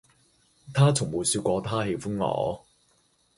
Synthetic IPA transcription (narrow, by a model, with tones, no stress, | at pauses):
t̪ʰaː˥t͡sʰʊ˨˩ŋmuː˨˩syː˧t̚kʷɔː˧t̪ʰaː˥he˧jfʊ˥nŋɔ̰ː˨˥